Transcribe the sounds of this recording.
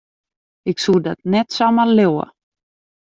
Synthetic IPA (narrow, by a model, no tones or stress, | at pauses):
ɪksud̪at̪̚nɛt̪samalɛwa̰